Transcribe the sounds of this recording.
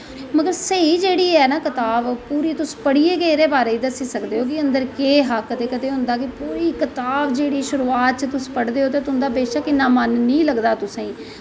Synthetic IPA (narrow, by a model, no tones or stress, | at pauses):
məɡəɾsəiːd͡ʒeːɽiːɛːnaːkɪt̪aːbpuːɾiːt̪ʊspəɽiːeːɡeːɾeːbaːɾeːiːd̪əsiːsəkd̪eːɦoːk̬ɪənd̪əɾkeːɦakːət̪eːkət̪eːɦʊ̃nd̪aːkɪpuːɾiːkɪt̪aːbd͡ʒeːɽiːʃʊɾuːaːt̪̚t͡ʃət̪ʊspəɽd̪eːɦoːt̪̬eːt̪ʊnd̪aːbeːʃakɪnãːmənːĩːləɡd̪aːt̪ʊsẽĩː